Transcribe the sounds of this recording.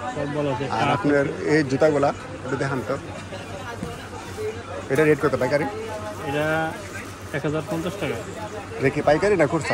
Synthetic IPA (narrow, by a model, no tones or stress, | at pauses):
sɔbɔlsʰea̰ɾapneɾed͡ʑut̪aɡola | eʈud̪ɛkʰant̪o | ejʈaɾeʈ̚koɾt̪epajkaɾiejʈa | ɛkɦɔzaɾpɔnt̪ɾɔsʈʰaka | ɾekipajkaɾinakuɾt̪ʰa